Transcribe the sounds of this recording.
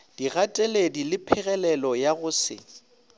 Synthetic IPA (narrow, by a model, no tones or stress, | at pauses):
d̥iɣatʼeledilɪpʰɪɣɛlɛlɔjaɣʊsɪ̰